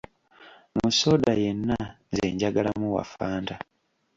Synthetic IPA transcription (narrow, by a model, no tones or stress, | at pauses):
muso̞ːdajenːa | ze̞̰ːɲɟaɡalamuwa̰faːnda